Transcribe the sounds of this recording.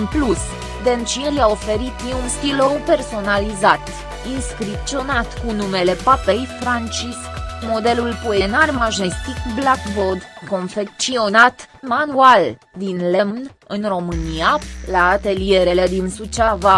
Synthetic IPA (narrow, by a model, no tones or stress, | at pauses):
ɨnplus | d̪ent͡ʃiljao̞fe̞ɾit̪jiunst̪ilowpe̞rso̞nalizat̪ | inskɾip̚tt͡ʃ̪io̞nat̪kunume̞le̞pape̞jfɾant͡ʃiskmo̞d̪e̞lulpo̞e̞narmaʒest̪ikblakbod̪ko̞nfe̞k̚t̪sio̞nat̪manual | d̪inlemnɨnro̞mɨnialaːt̪e̞lije̞ɾe̞le̞d̪insut͡ʃava